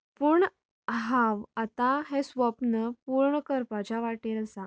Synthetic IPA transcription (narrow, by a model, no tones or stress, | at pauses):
puɳ | ɦaʋat̪aɦesʋəpnəpuɾɳəkəɾpat͡ɕaʋaʈelsa